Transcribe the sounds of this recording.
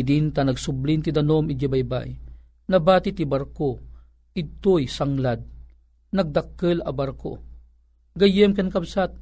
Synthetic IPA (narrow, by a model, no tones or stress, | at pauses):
d̪int̪ɐnɐɡsʊblint̪id̪ɐnomɪd͡ʒabajba̰ʔi | nɐbaːt̪it̪ibɐɾko | ɪt̪ojsɐŋlad̪̚ | nɐɡ̚d̪ɐkːəlɐ̰baɾko̰ | ɡɐjɛmkɐnkɐbsat̪̚